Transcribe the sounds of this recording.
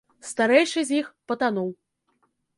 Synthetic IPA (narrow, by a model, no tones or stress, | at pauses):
st̪aɾɛjʂɨzʲjixpɐt̪anɔw